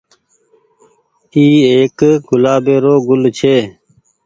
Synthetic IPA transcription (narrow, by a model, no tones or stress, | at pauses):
iːeːkɡʊlaːbeːɾoːɡʊlt͡ʃʰeː